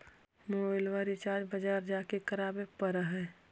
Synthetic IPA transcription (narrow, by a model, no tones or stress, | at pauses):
mobɪlʋaːɾit͡ʃaːd͡ʒbəd͡ʒaːɾd͡ʒaːkekɐɾaːbepəɾəɦɛː